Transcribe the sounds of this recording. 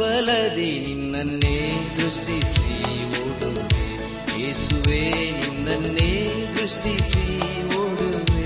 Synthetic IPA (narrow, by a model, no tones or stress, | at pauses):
ɐlɐd̪eninːɐnːeːd̪ɾuʂʈisi | ʋoːɽuʋe | jeːsuʋeninːɐnːeːd̪ɾuʂʈisi | ʋoːɽuʋe